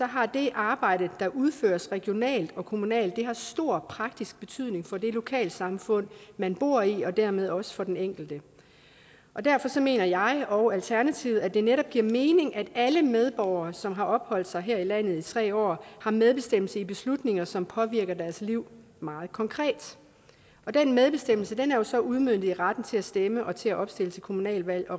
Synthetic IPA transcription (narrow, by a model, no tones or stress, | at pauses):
sɒ̽ɦɑ̈d̥e̝ʔɑ̈ːb̥ɑ̈ɪ̰ɾ̥əd̥ɑ̈ʔuð̞ˠføːɐsʁɛɡ̥jo̝nɛ̰ːld̥ɒ̽kʰo̝munɛ̰ːld̥ːe̝ɦɑ̈sd̥o̝ɐ̰pʰʁɑ̈ɡ̥̚d̥isɡ̥̚b̥e̝t͡sʰyð̞̰ˠne̝ŋfɒ̽d̥e̝lo̝kʰɛ̰ːl̥sɑ̈mfɔ̽n̰mænb̥o̝ɐ̰iɒ̽d̥æɐ̰með̞ˠɒ̽sə̥fɒ̽d̥eneŋ̰ɡ̥l̩d̥ə | ʔɒ̽d̥æɐfɒ̽sɒ̽me̝̰ːnɐjɑ̈ɪɒ̽ʊælt͡sʰæɐnæt͡sʰiʊð̩ˠæd̥e̝neɾɒ̽b̥̚ɡ̥iɐ̰me̝ːne̝ŋʔæd̥æləmeð̞ˠb̥ɒʊɐːsɒ̽mɦɑ̈ʔɒ̽b̥hɒ̽l̰d̥sɑ̈ɪɦæɐ̰ilæn̰ð̞̩ˠit͡sʰʁɛ̰ːɒ̰ːhɑ̈með̞ˠb̥e̝sd̥em̰l̩səib̥e̝slud̥ne̝ŋɐsɒ̽mpʰɒ̽ʋiɐɡ̥ɐd̥æɐsliʊ̰ | mɑ̈ːð̞̩ˠkʰɒ̽ŋkʰʁɛ̰ːd̥ | ɒ̽d̥enmeð̞ˠb̥e̝sd̥em̰l̩səd̥enæɐjo̝sɒ̽uð̞ˠmø̰d̥̩ˠiʁad̥n̩t͡sʰe̝æsd̥eməʔɒ̽t͡sʰe̝æʔɒ̽b̥sd̥e̝lət͡sʰe̝lkʰo̝munɛ̰ːlʋæl̰ɒ̽